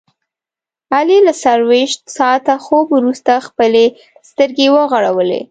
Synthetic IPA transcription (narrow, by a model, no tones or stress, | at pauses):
alelasaɾweʃt̪sɑt̪axobuɾust̪axpəle | st̪əɾɡewəɣaɽawəlḛ